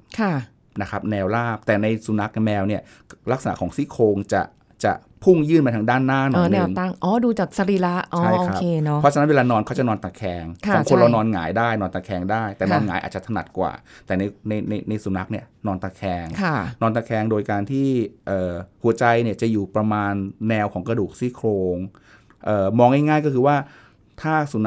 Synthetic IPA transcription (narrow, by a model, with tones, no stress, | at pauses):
kʰa˥˩ | na˦˥kʰa˦˥p̚nɛː˧wlaː˥˩p̚t̪ɛː˨˩na˧jsu˨˩˦na˦˥k̚mɛː˧wni˥˩ə | la˦˥k̚sa˧na̰˧˥kʰɔː˩˦ŋsi˦˥˩kʰoː˧ŋt͡ɕa̰˨˩ | t͡ɕa̰˨˩ | pʰu˥˩ŋjɯː˥˩nma˧t̪ʰa˧˥ŋdaː˥˩nːaː˥˩nɔː˨˧˩nɛ˧˩˨ŋa˥˩ŋʔɔː˦˧˥duː˧t͡ɕaː˨˩k̚sa˧ɾiː˧˦˥la˦˥ʔʔt͡ɕɔːa˦˥˩jo˧kːɾa˦kpʰeː˧nɔ˦ɔ˦t͡ɕʰa˧n˦˥nwe˧laː˧nɔː˧nkʰa˥wt͡ɕa˨˩nɔː˧nt̪a˧kʰɛː˧ŋkʰːɔː˨˦kʰo˧nla˧wnɔː˧nŋaː˩˦jdaː˥˩jnɔː˧nt̪a˧˩kʰɛː˧ŋdaː˥˩jt̪ɛː˨˩nɔː˧nŋaː˨˩˦jʔa̰ː˨˩t̪̚t͡ɕa˨t̪ʰa˧na˨˩t̪̚kwa̰ː˨˩t̪ɛː˨˩na˧jna˧jna˧jna˧jsu˩˦na˦˥k̚ni˥˩ɐnɔː˧nt̪a˧kʰɛː˧ŋkʰa˥˩nɔː˧nt̪a˧˩kʰɛː˧ŋdoː˧jkaː˧nt̪ʰiː˥˩ʔɤː˨˩hu˩˦t͡ɕa˧jni˥˩ɐt͡ɕa˨˩juː˨˩pɾa˧maː˧nːɛː˧wkʰɔː˩˦ŋkɾa˧duː˨˩k̚siː˥˩kʰɾoː˧ŋ | ʔɤː˨˩mɔː˧ŋːa˥˩jŋaː˥˩jkɔː˥˩kʰɯː˧waː˥˩ | t̪ʰaː˥˩su˩˦n˦